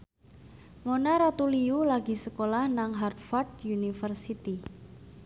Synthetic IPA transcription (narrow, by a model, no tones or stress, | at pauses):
monaɾat̪uliulaɡi̤səkolahnaŋɦard̪fɔrt̪junifərsit̪i